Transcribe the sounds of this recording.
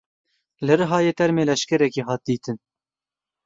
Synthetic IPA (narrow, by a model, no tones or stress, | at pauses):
lɨɾɨɦɑːjeːt̪ɛɾmeːlɛʃkɛɾɛkiːɦɑːt̪̚d̪iːt̪ʰɨn